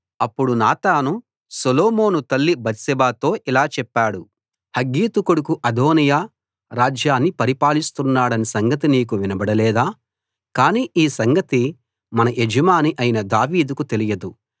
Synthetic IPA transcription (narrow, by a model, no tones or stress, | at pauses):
ɐpːuɽunaːt̪aːnu | sɐloːmo̞ːnut̪ɐlːibɐt̪sɛbaːt̪o̞ːʔilaːt͡ʃɛpːaːɽu | hɐɡːiːt̪ukuɽukuʔɐd̪oːnijaː | ɾaːd͡ʒjaːnːipɐɾipaːlist̪unːaːɽɐnisɐŋɡɐt̪iniːk̬uʋinɐbɐɽɐlɛːd̪aː | kaːniːʔiːsɐŋɡɐt̪i | mɐnɐʔed͡ʒɐmaːniʔɐjinɐd̪aːʋiːd̪ukut̪elijɐd̪u